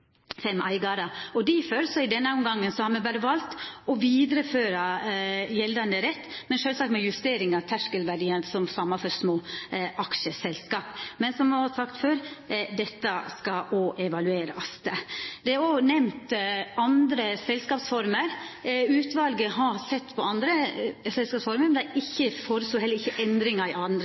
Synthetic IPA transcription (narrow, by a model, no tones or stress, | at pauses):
fɛmʔæɪɡɑɾəɔd̪ɪføɾsɔɪd̪ɛnːəʊmɡɑŋːənsɔhɑɾmɛʋæːɾəʋɑlt̪ɔʋiːd̪ɾəføːɾɑjɛld̪ɑnd̪əɾɛt̪ːmɛnʃøːlsɑkt̪mɛjʉst̪eːɾɪŋɑʋt̪ʰæʂkəlʋæɖiːənsɔmsɑmːɑfɔɾsmoːʔɑkʂəsɛlskɑːpmɛnsɔmɛʋɑsɑkt̪føːɾd̪ɛt̪ːɑskɑoːʔɛʋɑlʉeːɾɑ̰st̪d̪ɛæɾoːnɛmt̪ɑnd̪ɾəsɛlskɑːpsfɔɾməɾʉːt̪ʋɑlɡəɦɑsɛt̪ːpʰɔɑnd̪ɾəsɛlskɑːpsfɔɾməmɛnæɪçːəfoɾəsuːɦɛlːəɾɪçːəʔɛnd̪ɾɪŋɑɪɑnd̪ɾə